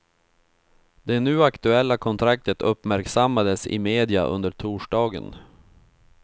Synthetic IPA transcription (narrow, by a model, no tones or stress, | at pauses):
d̪ɛnʉ̟ːakt̪ɵɛlːakʰɔnt̪ʰɾak̚t̪ət̪ʰɵpːmæɾksamːad̪əsɪ̰meːd̪ɪa̰ʔɵ̰nd̪əʈʰuːʂɖɑːɡə̰n